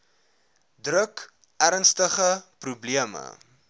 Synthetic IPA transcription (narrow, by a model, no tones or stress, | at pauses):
drək | æɾənstəχəprubliəmə̰